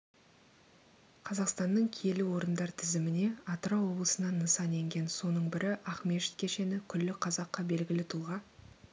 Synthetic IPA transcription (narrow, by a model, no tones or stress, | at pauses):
qʰɑzɑqst̪ɑnːəɴkʲʰije̞lɪwo̞ɾənd̪ɑɾt̪ʰɪzɪmɪne̞ɑt̪ɾɑwo̞blˠəsənɑnːəsɑne̞ŋɡʲe̞nso̞nəɴbɪɾʔɪʔɑχme̞ʃɪ̥t̪kʲʰe̞ʃe̞nɪkʲʰʏlːɪqʰɑzɑqːɑbe̞lɡʲɪlɪt̪ʰulˠʁɑ